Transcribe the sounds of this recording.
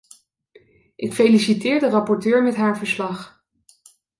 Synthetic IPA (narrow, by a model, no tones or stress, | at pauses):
ʔɪkfejlisitɪːɹdərɑpɔɹtøːɹmɛtɦaːɹvəɹslɑχ